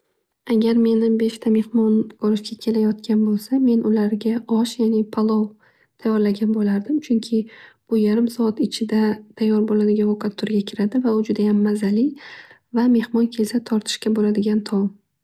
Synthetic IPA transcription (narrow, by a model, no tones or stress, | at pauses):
aɡʲaɾme̞nɪbe̞ʃt̪ʰame̞hmɒnbɒɾɪʃkʲakʲʰe̞lajɒt̪̚kʲʰanbolˠsame̞nʔʊlaɾɡʲaɒʃjanɪpʰalˠɒw | t̪ʰajɒɾlaɡʲanbolaɾd̪ɪmt͡ʃʰʊŋkʲʰɪb̥ʊjaɾɪmsɒat̪ɪt͡ʃʰɪd̪at̪ʰajːɒɾbolad̪ɪɡʲanokʰat̪ʰːʊɾɡʲakʲʰɪɾad̪ɪvaʊd͡ʒʊd̪ajamːazalɪ | vame̞hmɒnkʲʰe̞sat̪ʰɒɾt̪ʰɪ̥ʃkʲabolad̪ɪɡʲant̪ʰɒm